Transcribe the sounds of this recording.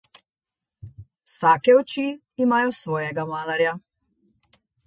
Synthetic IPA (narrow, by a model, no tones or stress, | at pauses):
wsaːkɛɔt͡ʃi | imaːjɔsʋɔːjɛɡamaːlaɾja